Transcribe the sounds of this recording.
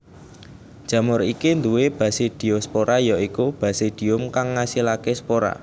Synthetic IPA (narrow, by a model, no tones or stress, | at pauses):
d̥ʒ̥ä̤mʊɾikind̪uweb̥a̤sed̪̥i̤ɔspoɾajɔikub̥a̤sed̪̥i̤ʊmkaŋːasilakespoɾa̰